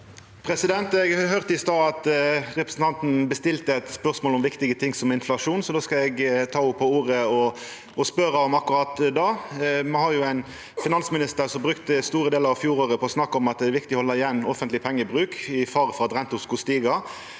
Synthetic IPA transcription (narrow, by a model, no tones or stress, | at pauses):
pʰɾɛsɪd̪ɛnt̪ɛɡhœʁt̪ɪst̪ɑːɑt̪ʁɛpɾəsn̩t̪ʰɑnt̪n̩bəst̪ɪlt̪əɛt̪spœʁsmoːlɔmʋɪkt̪ɪɡət̪ʰɪŋsɔmɪnflɑʂuːnsɔd̪oːskɑɛɡt̪ʰɑːʊpʰɔuːɾəɔ | ɔspœɾɑɔmɑkʊɾɑːt̪d̪ɑːmɛhɑɾjʊæɪn | fɪnɑnsmɪnɪst̪əɾsɔmbɾʉkt̪əst̪uːɾəd̪eːləɾɑʋfjuːɾoːʁəpʰɔɔsnɑkːɔmɑt̪̚d̪ɛæɾʋɪkt̪ɪɔhɔlːəɪjɛnːɔfənt̪lɪpʰɛŋːəbʁʉːkɪfɑʁfɔʁɑt̪ʋɛnt̪ʊskʊst̪iːɡɑ